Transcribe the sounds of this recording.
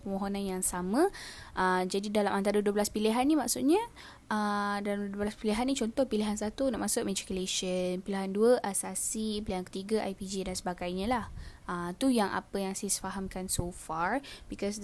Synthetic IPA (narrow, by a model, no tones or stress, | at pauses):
pəmõɦonãnjaŋsamə̃ʔəd͡ʒadidalamʔant̪aɾəduəblaspiliɦanːimaksuʔɲə̃ | ədalamduəblaspiliɦanːit͡ʃɔnt̪ɔhpiliɦansat̪una̰ʔmasʊʔ̚med͡ʒikəleʃənpiliɦanduəʔasasipiliɦankə̥t̪iɡəʔa̰jpid͡ʒidansəbaɡajɲə̃lahʔət̪ujaŋʔa̰pəjaŋsajasə̥faɦamkansofaɹbikɔs